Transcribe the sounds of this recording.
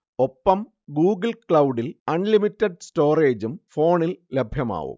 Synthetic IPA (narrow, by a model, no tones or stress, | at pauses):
o̞pːɐm | ɡuːɡɐlkɭɐwɖilɐnlimitːɐɖsto̞ːre̞ːd͡ʑumfo̞ːɳillebʱjɐma̰ːʋṵm